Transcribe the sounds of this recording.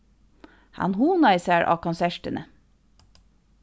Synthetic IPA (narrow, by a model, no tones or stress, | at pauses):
hɑ̰nhuːnɑɪsæːɹʔɑ̰ːkʰɑnsæʃʈənʔə